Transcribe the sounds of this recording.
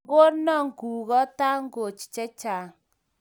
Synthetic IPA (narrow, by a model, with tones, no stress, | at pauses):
o˦ɾnɔ˦˨ŋ˨ku˨ɣɔ˦ta˦ŋ˦ɡo˨t͡ʃt͡ʃɛ˦t͡ʃa˨